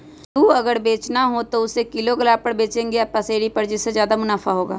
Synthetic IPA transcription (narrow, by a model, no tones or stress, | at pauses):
t̪uːəɡəɾbeːt͡ʃnaːɦoːt̪oʊseːkɪloːɡəlaːpəɽbeːt͡ʃẽːŋɡeapəseːɽiːpəɽd͡ʒɪsːezjaːd̪aːmʊnaːfʰaːɦoːɡa̰ː